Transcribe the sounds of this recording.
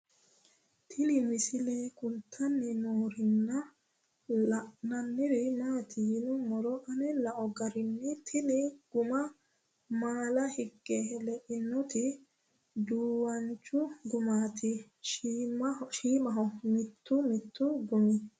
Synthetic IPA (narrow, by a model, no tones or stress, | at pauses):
t̪ʰɪlɪmɪsɪlekʊnt̪ʰːɐnːɪnoːɾɪnːɐ | lɐʔnɐnːɪɾɪnaːt̪ɪjɪnʊmɔɾɔʔɐnɛlɐʔɔɡɐɾɪnːɪt̪ʰɪlɪɡ̥ʊmɐ | maːlɐhɪɡːɛlɛʔɪnːɔt̪ɪ | d̪uːwɐnt͡ʃːʊɡʊmaːt̪ʰɪ | ʃiːmɐɦɔmɪt̪ːʊmɪt̪ːʊɡʊmɪ